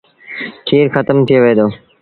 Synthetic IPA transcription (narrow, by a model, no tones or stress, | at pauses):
ʈʰiːɾxət̪əmt̪ʰɪjoːʋeːd̪oː